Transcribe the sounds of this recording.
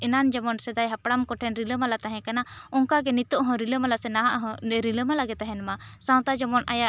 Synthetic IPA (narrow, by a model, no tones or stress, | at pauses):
ɛnand͡ʒamɔnsɛd̪ajɦapɽamkɔʈʰɛnɾiləmalat̪aɦɛ̃kanaɔŋkaɡɛnit̪ɔʔɦɔ̃ɾiləmalasɛnaɦaʔɦɔ̃ɾiləmalaɡɛt̪aɦɛnmasãw̃t̪ad͡ʒamɔnajaʔ